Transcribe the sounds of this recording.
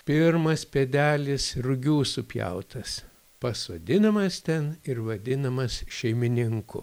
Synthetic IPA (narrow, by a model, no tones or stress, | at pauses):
pʲɪɾmɐspʲɛd̪ʲæːlʲɪsrʊɡʲuːsʊpʲjɛ̰ʊt̪ʰɐs | pɐsʋɐd̪ʲɪnɐmɐst̪ʲɛnɪɾʋɐd̪ʲɪnɐmɐsʃʲɛɪmʲɪnʲɪŋkʊ̰